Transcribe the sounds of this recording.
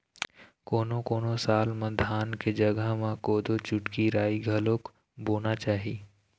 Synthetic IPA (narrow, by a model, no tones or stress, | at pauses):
koːnokoːnosaːlmãd̪ʱaːnked͡ʒɐɡəɦmãkoːd̪ʱot͡ʃʊʈkiɾaːiɡʱɐlok | boːnat͡ʃaːɦiː